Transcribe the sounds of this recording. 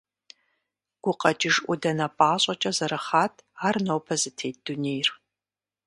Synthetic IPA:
ɡ̥ʷʊqɐt͡ʃʼɪʒʔʷʊdɐnɐpʼaːɕʼɐt͡ʃʼɐzɐɾɐχaːtʰaːrnɐwpʰɐzɨtʰeːt̚d̥unejr

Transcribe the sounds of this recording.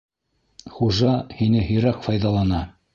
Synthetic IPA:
χuʒɑhinɘhɵ̆jɾækfɑjðɑlˠɑnɑ

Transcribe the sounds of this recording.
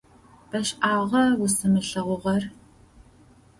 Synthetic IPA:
b̥ɐɕaːʁɐwʊsɨmɨɬɐʁʷʊʁɐr

